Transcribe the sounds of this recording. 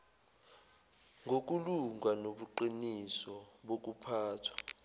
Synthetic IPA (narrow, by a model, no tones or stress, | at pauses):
ŋɡʱok̬uluŋanoɓuǃinisɔɓok̬upʰaːtʰwḁ